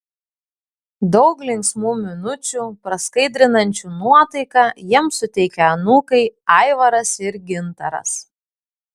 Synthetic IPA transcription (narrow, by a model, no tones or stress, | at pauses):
d̪ɒʊklʲɪŋʲksmuːmʲɪnʊt͡ʃʲuːpɾɐskɐɪd̪ʲɾʲɪnɐnʲt͡ʃʲuːnuɔt̪ɐɪkɑjiɛmsʊt̪ʲɛɪkʲɛɐnuːkɐɪɑɪʋɐɾɐsɪɾɡʲɪnt̪ɐɾɐ̰s